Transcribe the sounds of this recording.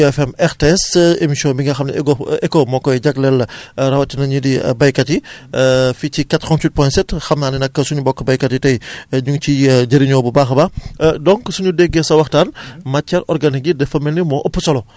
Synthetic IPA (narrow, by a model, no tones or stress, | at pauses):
ɛfɛmɛxteɛsemisiɔnbiŋɡɐxɐmnɐ̰ɡoɛkomɔkːɔjɟɐklɛlɾɐwɐtːinɐɲudḭbɐjkɐti | ficikatɾɔntwit̚pɔjntsɛtxɐmnaːninɐkːəsuɲubɔkːəbɐjkɐtitɐjɲuŋt͡ʃiɟɐɾiɲɔːbubaːxɐbadɔŋksuɲudɛɡɛsɐwɐxtanmɐt͡ʃːɛɾʔɔrɡɐnik̚ɟidɛfɐmɛlnimɔʔopːusɔlɔ